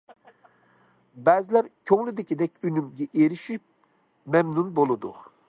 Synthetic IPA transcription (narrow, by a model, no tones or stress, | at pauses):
bɛzɪlæɾkʲʰøŋlyd̪ɪkʲid̪ɛkʲynymɡʲɛʔeɾiʃip̚ | mɛmnunbolˠɨd̪u